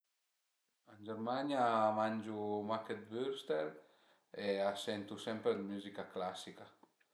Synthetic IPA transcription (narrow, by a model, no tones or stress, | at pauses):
and͡ʒeɾmaɲjamand͡ʒumaket̪byɾst̪eɾ | easɛnt̪usɛmpɾelmyzikaklasika